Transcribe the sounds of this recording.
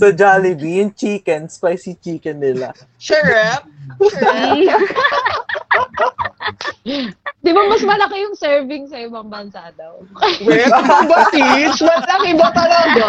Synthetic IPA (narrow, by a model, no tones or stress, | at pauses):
sɐd͡ʒaːlɪbijʊŋt͡ʃiːkɛnspajsit͡ʃiːkɛnːɪla̰ | ʃɛɹɛp̚ | d̪ɪbamɐsmɐlɐkɛjʊŋsɛɹvɪŋsɐʔɪbɐŋbɐnsaːd̪ɐʔokɐwbɐsit͡ʃmɐlɐkɪɪbɐp̪ɐlad̪ɐ